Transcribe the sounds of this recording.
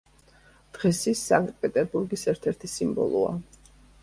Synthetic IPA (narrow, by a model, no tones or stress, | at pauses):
d̪̥ʁɛsisa̰ŋkʼt̪̚ʼpʼɛt̪ʼɛɾbuɾɡisɛɾt̪ʰɛɾt̪ʰisimbɔ̰lˠṵa̰